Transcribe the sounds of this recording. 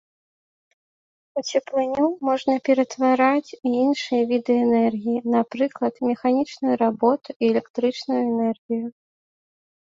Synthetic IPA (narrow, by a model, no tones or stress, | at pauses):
ut͡sʲɛplˠɨnʲumɔʐnɐpʲɛɾɐt̪vaɾat͡sʲiinʂɨjɐvʲid̪ɨɛnɛrɣʲijinapɾɨklˠɐt̪mʲɛxanʲit͡ʂnujuɾabɔt̪uiɛlʲɛkt̪ɾɨt͡ʂnujuɛnɛrɣʲiju